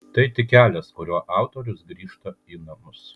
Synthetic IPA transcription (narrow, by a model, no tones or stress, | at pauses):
t̪ɐɪt̪ʲɪkʲæːlʲɛskʊɾʲuɔʔɑˑʊt̪oːɾʲʊsɡɾʲiːʃt̪ɐiːnɐmʊs